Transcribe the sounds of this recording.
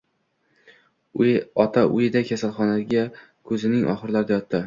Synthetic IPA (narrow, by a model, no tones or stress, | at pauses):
ɒt̪ʰaʔʊjɪd̪akʲʰasalˠχɒnaɡʲa | kʰɵzɪnɪŋʔɒ̰χɨɾlaɾd̪ajɒt̪ːɪ